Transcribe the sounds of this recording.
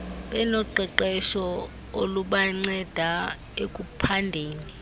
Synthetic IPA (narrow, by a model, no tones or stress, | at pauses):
ɓɛnɔǃɛǃɛʃɔ | oluɓaŋ͡ǀɛd̥ʱa | ekʼupʰandʱeːni